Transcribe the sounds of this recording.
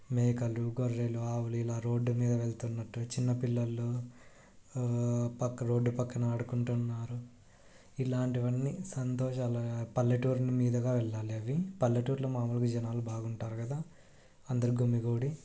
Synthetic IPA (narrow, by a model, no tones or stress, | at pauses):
meːkɐluɡoɾːeluaːʋuluilaːɾo̞ːɖːumiːd̪ɐʋeɭt̪unːɐʈːut͡ʃinːɐpilːɐlːu | pɐkːɾo̞ːɖːupɐkːɐnɐɐɽukuɳʈunːaːɾu | ilaːɳʈiʋɐnːisɐnt̪ɔːʃaːlɐpɐlːɐʈuːɾnimiːd̪ɐɡaːʋɛɭːaːliɐʋipɐlːɐʈuːɾloːmaːmulɐk̬ud͡ʒɐnaːlubaːɡuɳʈaːɾukɐd̪aː | ɐnd̪ɐɾuɡumːiɡoːɽi